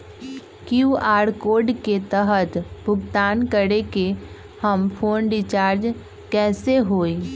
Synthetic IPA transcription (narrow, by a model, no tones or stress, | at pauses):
kjuːaːɽkoːɾɖket̪əɦət̪bʱʊɡt̪aːnkəɽeke | həmpʰoːnɖɪt͡ʃaːɾd͡ʒ | kɛːseɦoːi